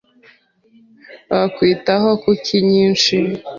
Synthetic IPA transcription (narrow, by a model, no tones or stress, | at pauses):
βakwiːtaɦokucʰiɲiːnt͡ʃi